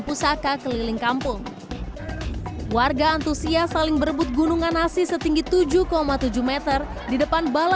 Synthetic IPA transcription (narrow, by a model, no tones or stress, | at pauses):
pusakakəlilɪŋkampʊŋ | warɡaːnt̪usiasalɪŋbəɾəbʊt̪̚ɡunuŋanasisət̪iŋɡit̪ud͡ʒuhkomat̪ud͡ʒuhmɛt̪ər | didəpanbala